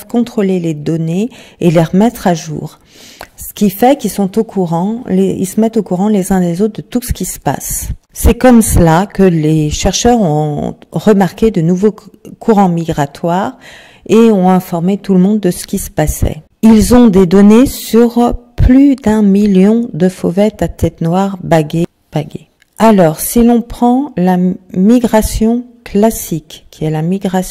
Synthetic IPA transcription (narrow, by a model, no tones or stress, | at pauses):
kɔ̃t̪χoleled̪ɔneeleʁəmɛt̪χaʒṵːʁ | sə̥kʲifɛkilsɔ̃t̪okʰuʁɑ̃leḭlsəmɛt̪okuʁɑ̃lezɛ̃lezot̪̚χd̪ət̪usə̥kʲisə̥pa̰sːɛkɔmsəlakəleʃɛʁʃœʁɔ̃ʁəmaʁkʲed̪ənuvokʰuʁɑ̃miɡʁat̪waʁ | eɔ̃ɛ̃fɔʁmet̪uləmɔ̃d̪ːəsə̥kʲisə̥pasɛ̰ | ilzɔ̃d̪ed̪ɔnesyʁplyd̪ɛ̃miljɔ̃d̪əfovɛt̪at̪ʰɛt̪nwaʁbaɡe | b̥aɡḛ | alɔʁsilɔ̃pχɑ̃lamiɡʁasjɔ̃klasikkʲːiɛlamiɡʁas